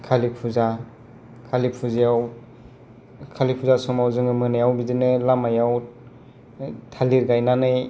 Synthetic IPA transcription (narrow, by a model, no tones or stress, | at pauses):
kʰalipʰuza | kʰalipʰuzijaw | kʰalipʰuzasɔmawzɯŋɯmɯnajawbidinɯlamajaw | tʰaliɾɡajnanɯj